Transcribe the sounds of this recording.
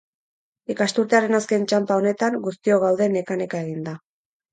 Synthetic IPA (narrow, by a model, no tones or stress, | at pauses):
ikast̪uɾt̪eaɾe̞naske̞nt͡ʃampao̞ne̞t̪aŋɡust̪io̞ɣ̞awðe̞ne̞kane̞kae̞ɣ̞ind̪a